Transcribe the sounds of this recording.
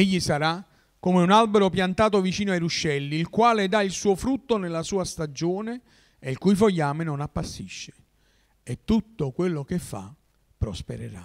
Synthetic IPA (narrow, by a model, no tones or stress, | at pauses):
eʎːisaɾa | kːomɪunalbeɾopjant̪aːt̪ovit͡ʃiːnoajɾuʃːɛlːiːlkwaːled̪ailsuːofɾut̪ːonelːasuːast̪ad͡ʒoːne | eilkujfoʎːaːmenonapːasːiʃːe̥ | et̪ːut̪ːokwelːok̟efːa̰ | pːɾospḛɾḛɾa̰